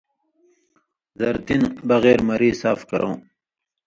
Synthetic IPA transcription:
zɐɾt̪inbɐɣeːɾmɐɾiːsaːfkɐɾʔõ̰ː

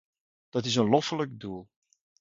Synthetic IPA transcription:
d̥ɑtɪs̬ənlɔfələkduəlˠ

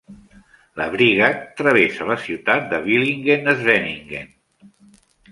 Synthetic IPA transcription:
ləβɾiɣət̪ɾəβesələsiwt̪at̪̚d̪əβ̞iliŋɡenəzβɛniŋɡḛn

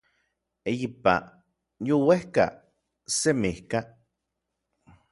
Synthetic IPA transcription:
ejipa̰ | jowehka̰ | semihka

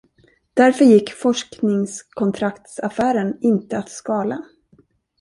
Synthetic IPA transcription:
d̪̥æɾfœɾjɪkːfɔʂknɪŋskʰɔnt̪ʰɾakt̪safæːɾənɪnt̪əat̪skɑːla

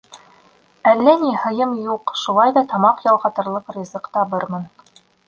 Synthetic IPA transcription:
ælːænihɤ̆jɤmjuqʃulˠɑjðɑt̪ɑmɑqjɑlˠʁɑt̪ɤ̆ɾlˠɤqrʲizɤqt̪ɑβɤɾmɤn

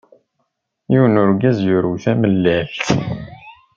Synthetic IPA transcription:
jiwnʊɾɡæzjʊɾuθæməlːælt̪

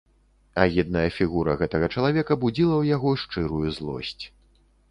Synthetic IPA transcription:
ɐɣʲid̪̚nɐjɐfʲiɣuɾɐ̰ɣɛt̪ɐɣɐt͡ʂɐlˠavʲɛkɐbud͡zʲilˠɐwjaɣɔʂt͡ʂɨɾujuzlˠɔ̰sʲt͡sʲ

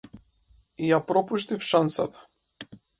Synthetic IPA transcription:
ijapɾɔpuʃt̪ifʃansat̪ḁ

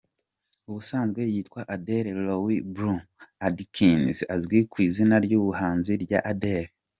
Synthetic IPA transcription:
uβusaːnzɡwe̞jiːtkwaʔadeɾelowibɾuadikʰinzazɡwikwiːzinaɾjuːβuhaːnziɾɟaʔadeɾe

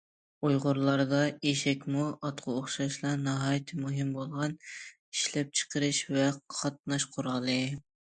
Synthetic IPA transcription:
ujʁʊɾlˠɑɾd̪ɑeʃɛkʲmuʔɑt̪qʰʊoχʃɑʃlˠɑɾnɑɦɑːjt̪ʰɨmuɦɨmbolˠʁɑn | iʃlɛp̚t͡ʃʰə̥qəɾɨʃvɛqʰɑt̪̚nɑʃqʰʊɾɑlˠɨ

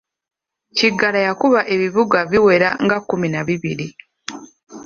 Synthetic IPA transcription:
ciɡalajakuβaʔe̞βiβuɡaβiwe̞ɾa̰ŋɡakːuminaβiβiɾi

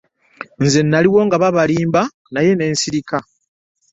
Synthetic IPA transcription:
nze̞nːaliwo̞ːŋɡaβaβaliːmba | naje̞ne̞ːnsiɾika

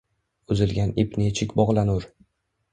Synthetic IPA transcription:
ʊzɪlɡʲanɪpnʲet͡ʃʰɪkʲbɒʁlˠanʊɾ

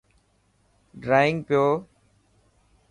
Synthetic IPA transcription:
ɖɾaːɪ̃ŋɡpɪjoː

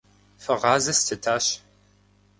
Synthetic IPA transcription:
fɐʁɑːzɐstʰɨtʰaːɕ

